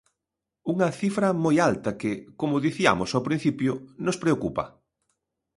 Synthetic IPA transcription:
uŋɐθifɾɐmojalt̪ɐkɪkomʊðiθia̰mʊsawpɾĩn̟θipjʊnospɾeokupɐ̰

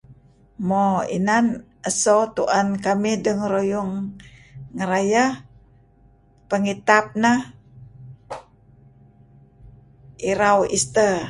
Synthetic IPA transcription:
moḭnan | ʔəsot̪uʔankamihdəŋɾojuŋː | əɾaja | pəŋit̪ap̚nah | ʔiɾawist̪ə

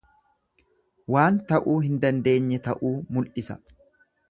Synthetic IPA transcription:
waːnt̪ɐʔuːɦɪnd̪ɐnd̪e̞ːɲːɛt̪ɐʔuːmʊlʔɪsɐ̥̰

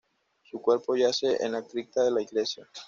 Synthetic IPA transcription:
sukwe̞ɾpo̞ʝaseʔḛnakt̪ɾik̚t̪aðelaiɣle̞sja

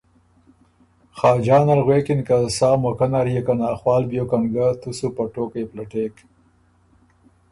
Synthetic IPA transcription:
xɑːd͡ʒɑːnalɣweːkinkasɑːmokanaɾijekanaːxwɑːlbjokaŋɡat̪usupaʈoːkajplaʈeːk

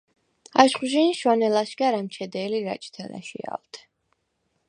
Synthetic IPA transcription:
aʃχuʒiniʃwanɛlaʃɡaɾamt͡ʃʰɛd̪ɛːliɾa̰t͡ʃʼt̪ʰɛna̰ʃḭa̰lt̪ʰɛ̥

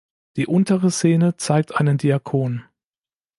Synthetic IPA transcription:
d̥iːʔʊntəʁəseːnət͡saɪk̚tʔaɪnəndiakʰoːn

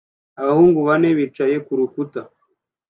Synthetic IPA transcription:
aβahuːŋɡuβane̞βit͡ʃaje̞kuɾukuta

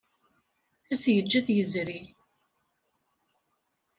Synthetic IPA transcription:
æθjəd͡ʒːæðjəzɾi

